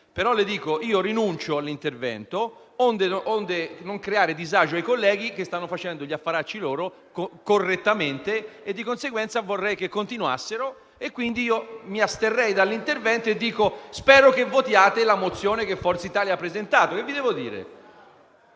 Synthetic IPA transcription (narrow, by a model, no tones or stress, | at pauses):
peɾɔled̪iːkoiːoɾinunt͡ʃoalːint̪ervɛ̰nt̪o | ond̪eʔond̪enoŋkɾeaːɾed̪izaːd͡ʒoajkolːɛːɡ̟ik̟est̪anːofat͡ʃɛnd̪oʎiafːaɾat͡ʃːiloːɾo | kkorːet̪ːament̪eed̪ːikonseɡwɛnt̪savorːɛjkekːont̪inwa̰sːeɾo | ekːwind̪iiːomiast̪erːɛjd̪alːint̪ervɛnt̪oed̪ːiːkospɛːɾokevːot̪jaːt̪elamot̪sːjoːnekefːɔrt̪seit̪aːliapːɾezent̪aːt̪okevːid̪ɛːvod̪ḭːɾḛ